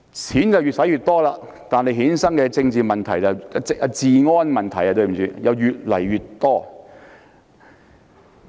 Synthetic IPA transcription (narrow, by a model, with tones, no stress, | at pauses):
t͡sʰiː˨˥nt͡sɐ˨wɥyː˨t̚sɐ˨˥jyː˨˩t̚t̪ɔː˥laː˧ | t̪aː˨nhe˨˧ɦiː˨˥nsɐ˥ŋkɛː˧t͡sɪ˧ŋt͡siː˨mɐ˨nt̪ʰɐ˨˩jɐ˨wt͡skɐ˧t͡siː˨ŋɔː˥nmɐ˨nt̪ʰɐ˨˩ja˧t̪ɵ˧ɥm˨˩t͡ʃyː˨˧jɐ˨˧wjyː˨t̚lɐ˨˩jɥyː˨t̚t̪ɔː˥